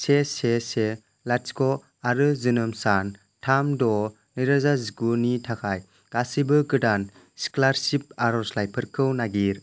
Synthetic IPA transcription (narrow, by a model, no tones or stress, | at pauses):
sesese | laskɔ | aɾɯzɯnɯmsan | tʰamdɔ | niɾazazikunitʰakʰaj | ɡ̥asibɯkɯdan | si̥klaɾsip̚aɾɔslajpʰɯɾkʰɯwnaɡiɾ